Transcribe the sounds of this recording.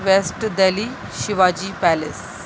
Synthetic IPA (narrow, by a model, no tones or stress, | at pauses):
ʋesʈd̪eli | ʃɪʋaːd͡ʒiːpælɪ̰s